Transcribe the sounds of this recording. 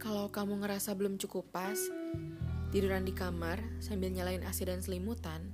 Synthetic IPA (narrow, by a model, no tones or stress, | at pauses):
kalawkamuŋəɾasabəlʊmt͡ʃukupas | t̪iduɾandikamarsambɪlɲalaɪnʔasidansəlimut̪an